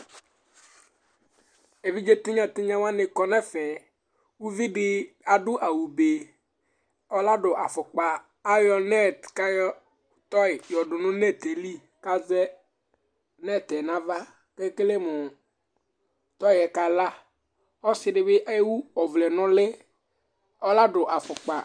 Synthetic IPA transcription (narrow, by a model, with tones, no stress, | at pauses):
e˨vi˦d͡ʒe˦t̪ɪ˦ɲã˨t̪ɪ˦ɲã˦wa˦nɪ˨kɔ˨nɛ˦fɛ˨ | wu˦vi˦ɖɪ˦ | a˨ɖʊ˦ʔa˨wu˨be˨ | ɔ˦la˦ɖʊ˨ʔa˨fɔ˨k͡paː˨˦ | jɔ˦nɛ˦tka˦jɔ˦ | t̪ɔ˦ɪ˨jɔ˨ɖʊ˨nʊ̃˦nɛ˦t̪e˨li˦ | ka˦zɛ˦ | nɛ˦˨t̪ɛ˨nã˦va˦ | ke˦kɪ˦le˦mʊ˨ | t̪ɔ˦ɪ˨ɛ˨ka˨la˦ | ɔ˦sɪ˨ɖɪ˨bɪ˦ʔɛ˦wu˦ɔ˨vlɛ˨nʊ̃˦lɪ˦ | ɔ˦la˦ɖʊ˨ʔa˨fʊ˨k͡pa˨